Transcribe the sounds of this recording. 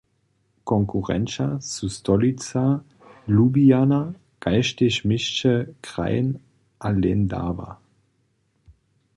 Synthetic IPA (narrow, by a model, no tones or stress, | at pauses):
kʰɔŋkʰuʁɛ̰nt͡sasustʰɔlit͡sa | lubiana | ɡ̥aɪʃtɪɕmɪʃt͡ʃəkʁ̥a̰ɪn | ʔalɛnda̰ːva̰